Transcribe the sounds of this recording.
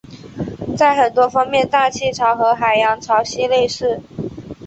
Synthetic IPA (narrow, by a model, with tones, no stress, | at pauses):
t͡sa˥˩ɪxə˨˩nt̪wɔ˥fɑ˥ŋmjɛ˥˧nt̪a˥˧t͡ɕʰi˥˩ʈ͡ʂʰɑ˧˥ʊxɤ˧˥xa˨˩ɪjɑ˧˥ŋʈ͡ʂʰɑ˧˥ʊɕi˥le˥˧ɪʂɻ̩˥˩